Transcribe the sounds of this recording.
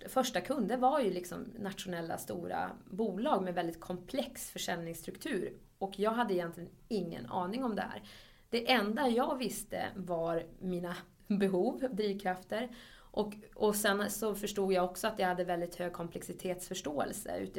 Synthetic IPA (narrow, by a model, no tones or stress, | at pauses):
fœʂʈakʰɵnd̪əɾvaɾjɵlɪksɔ̰mnat̪ɧʊnɛlːa̰st̪uːɾa̰buːlɑːɡmɛvɛld̪ɪt̪̚kʰɔmpʰlɛksfœʂɛlnɪŋst̪ɾɵkt̪ʰʉ̟ːɾ | ɔkʰjɑːɡɦad̪ːəɪjɛnt̪lɪɡənɪŋːə̰nɑ̰ːnɪŋɔmd̪ɛhæ̰ːɾ | d̪̥ɛʔɛnd̪ajɑːɡvɪst̪ə̰vaɾmiːna | bɛɦuːvd̪ɾiːvkʰɾaft̪əɾ | ʔɔkɔsɛnsɔfœʂʈuːɡjaɔksɔat̪jahad̪ːəvɛld̪ɪt̪høːɡ̚kʰɔmpʰlɛksɪt̪ʰeːt̪sfœʂʈoːɛ̰lsə̰ʉ̰ːt̪